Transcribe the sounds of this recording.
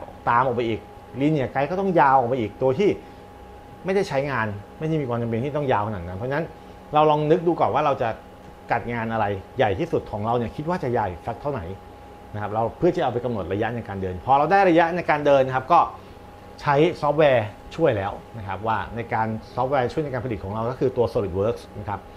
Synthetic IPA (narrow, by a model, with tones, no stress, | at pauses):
t̪aː˨˧mʔɔː˨˩k̚ma˧jʔiː˨˩k̚ | li˧ni˥˩ɐka˧jkɔː˥˩t̪ɔ˥˩ŋjaː˧wʔɔ˨˩pa˧ʔiː˨˩k̚t̪u˧ɐt̪ʰiː˥˩ | ma˥˩jda˥˩jt͡ɕʰa˦˥jŋaː˧nma˥˩jda˥˩jmiː˧kwaː˧mt͡ɕa˧mpe˧nt̪ʰiː˥˩t̪ɔ˥˩ŋjaː˧wkʰa˧naː˨˩na˦˥npʰɔ˦˥t͡ɕʰa˥na˦˥n | ɾa˧wlɔː˧ŋnɯ˦˥k̚duː˧kɔː˨˩nwaː˥˩ɾa˧wt͡ɕa˨˩ | ka˨˩t̪̚ŋaː˧nʔa˧ɾa˧jjːa˨˩jt̪ʰiː˥˩su˨˩t̪̚kʰɔː˩˦ŋɾa˧wni˧˩kʰi˦˥t̪̚waː˥˩t͡ɕa˨˩jaː˨˩jsa˦˥k̚t̪ʰa˥˩wna̰˩˦j | na˦˥kʰa˦˥p̚ɾa˧wpʰɯ˥˩t͡ɕʰa˥˩ʔa˧wpa˧jka˧mno˨˩t̪̚ɾa˧ja˦˥ʔna˧jkaː˧ndɤː˧npʰɔː˧ɾa˧wdaː˥˩jɾa˧ja˦˥ʔna˧jkaː˧ndɤː˧nːa˥kʰa˦˥p̚kɔː˥˩ | t͡ɕʰa˦˥jsɔː˦˥p̚wɛː˧ | t͡ɕʰu˥˩əjlɛː˦˥wna˦˥kʰa˦˥p̚waː˥˩na˧jkaː˧nsɔː˦˥p̚wɛː˧t͡ɕʰu˥˩jna˧kaː˧pa˧li˨˩kʰɔː˩˦ɾa˧wkɔː˥˩kʰɯː˧t̪u˧ɐsoː˧˩li˨˩t̪̚wɤː˦˥k̚sna˦˥kʰa˦˥p̚